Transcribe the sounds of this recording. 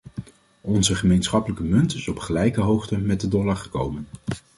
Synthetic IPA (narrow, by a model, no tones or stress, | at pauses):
ɔnzəχəmejnsχɑpələkəmɵntɪsɔpχəlɛjkəɦowχtəmɛd̚ədɔlɑɹχəkowmən